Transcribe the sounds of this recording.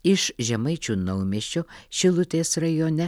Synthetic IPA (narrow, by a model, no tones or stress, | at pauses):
ɪʃʒʲɛmɐɪt͡ʃʲuːnɐʊmʲiɛʃʲt͡ʃʲoʃʲɪlˠʊt̪ʲeːsɾɐjoːnʲɛ